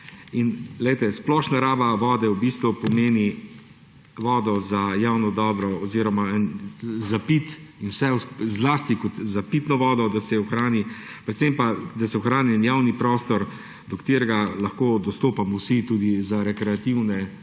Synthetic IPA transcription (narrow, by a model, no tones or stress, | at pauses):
inɡlɛjt̪ɛsplɔʃnaɾaːbaʋɔːd̪ɛwbist̪ʋupɔmeːni | ʋɔːd̪ɔzajaːwnɔd̪ɔːbɾɔːziɾɔmaɛnzapit̪inwsɛzlaːst̪ikɔt̪zapit̪nɔʋɔːd̪ɔd̪asɛɔxɾaːni | pɾɛt̪sempad̪asɛɔxɾaːniɛnjaːwnipɾɔːst̪ɔɾ | d̪ɔkt̪eːɾɛɡalaxkoːd̪ɔst̪oːpamɔwsit̪uːd̪izaɾɛkɾɛat̪iwnɛ